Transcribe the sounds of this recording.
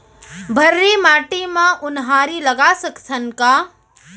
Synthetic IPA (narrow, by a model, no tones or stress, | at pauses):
bʱəɾːimaːʈimãʔʊnɦaːɾiləɡasəktʰənkaː